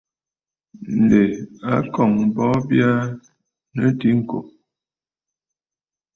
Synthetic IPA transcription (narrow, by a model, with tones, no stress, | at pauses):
n̩˨de˨a˨˦kɔ˨ŋ̩˨bɔ˦bja˦ | nə˦ti˦ŋ̩˨ko̰˨